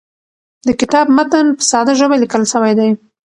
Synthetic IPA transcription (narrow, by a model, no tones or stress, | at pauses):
d̪əkɪt̪ɑbmat̪ənpə̥sɑd̪aʒəbalikəlʃəwajd̪aj